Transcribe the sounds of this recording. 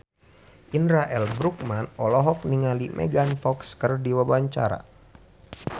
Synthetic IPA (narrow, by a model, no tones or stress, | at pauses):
ʔinɾaʔɛlbɾuk̚manɔlɔɦɔk̚niŋalimʔɛ̰ɡanfɔkskərdiwabaɲt͡ʃa̰ɾa̰